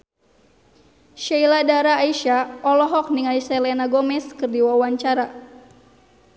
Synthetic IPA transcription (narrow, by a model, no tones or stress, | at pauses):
ʃailadaɾaːiʃaɔlɔɦɔk̚niŋaisɛlɛnaɡɔmɛskɨrdiwawaɲt͡ʃaɾa